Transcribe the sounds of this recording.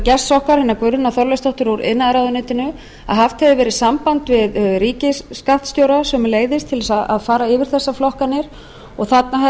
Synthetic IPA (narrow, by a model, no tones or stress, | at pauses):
cɛstːɔhkaɾ̥hɪnːakvʏɾðʏnaθɔɾlɛst̪ʰɔht̪ʏɾaɾɪ̰naðɾaːwðʏnɛːt̪ɪnʏ | a̰ðɦaft̪hɛðɪvɛːɾɪsampant̪vɪðɾiːcɪsːkaht̪st̪jowɾasɛmleːjðɪst̪ʰɪlɛsaa̰ðfaːɾaɪvɪɾ̥θɛsːaflɔhkanːɪɾ | ɔɣθat̪naɦɛ